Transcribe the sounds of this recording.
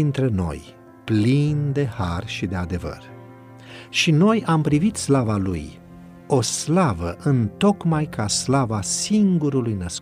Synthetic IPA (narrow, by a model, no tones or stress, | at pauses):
int̪ɾeno̞̰j | plind̪e̞harʃid̪e̞ad̪e̞və̰r | ʃino̞jampɾivit̪slavalṵj | o̞slavəʔɨnt̪o̞kmajkʰaslavasiŋɡuɾulujnəsk